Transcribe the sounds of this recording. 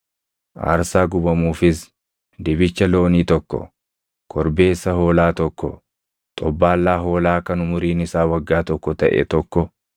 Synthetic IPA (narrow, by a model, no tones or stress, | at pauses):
ʔa̰ːɾsaːɡʊbɐmuːfɪs | d̪ɪbɪt͡ʃːɐlo̞ːniːt̪ɔkːɔ̰ | kʰɔɾbe̞ːsːɐho̞ːlaːt̪ɔkːɔ | t̪ʼɔbːaːlːaːɦo̞ːlaːkɐnʊmʊɾiːnɪsaːwɐɡːaːt̪ɔkːɔt̪ɐʔɛ̰t̪ɔkːɔ